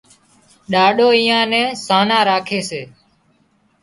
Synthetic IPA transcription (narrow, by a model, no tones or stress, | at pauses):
ɗaːɗoːiːãːnɛ̃ːsaːnãːɾaːkʰeːseː